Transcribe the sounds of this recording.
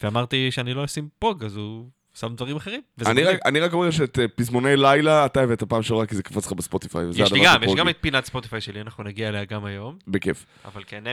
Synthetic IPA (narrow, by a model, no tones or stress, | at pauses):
veamaʁt̪iʃeaniloosimpoɡazu | samdvaʁimaχeʁimveaniʁakaniʁako̞meʁʃ̬eːt̪epizmo̞nejlajlaːt̪aeveet̪apaːmʃeoʁakizekḁfatt͡slχabespot̪ifa̰jvezjɛad̪aiɡamjeʃɡamet̪̚pinatspo̞t̪ifajʃelianaχnunaɡiaeleaɡamajo̞mbekef | a̰valkene